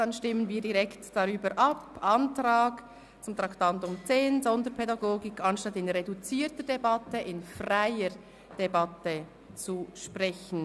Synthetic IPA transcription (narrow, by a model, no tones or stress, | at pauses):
d̥ɑnʃtɪmənviːdiʁɛktd̥ɑʁyːbəɾʔɑpʔɑntɾaːɡ | t͡sʊmt̪ɾɑktɑntʊmt͡seːnzɔndəɾpʰɛdɑɡoːɡɪkʰɑnʃtɑtɪnʁedut͡siːtədebɑtəʔɪnfraɪəɾ | d̥ebɑtə | t͡suʃprɛçn̩